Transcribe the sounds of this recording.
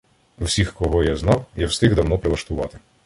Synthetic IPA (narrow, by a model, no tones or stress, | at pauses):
wsʲixkɔɦɔjaznɑwjɛwst̪ɪɣd̪ɐwnɔpɾɪlˠɐʃt̪ʊʋɑ̰t̪ɪ̥